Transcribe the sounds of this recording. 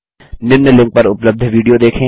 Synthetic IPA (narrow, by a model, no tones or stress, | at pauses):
nɪnːəlɪ̃ŋk̚pɐɾʊpləb̚d̪ʱʋiːɖijod̪eːkʰẽ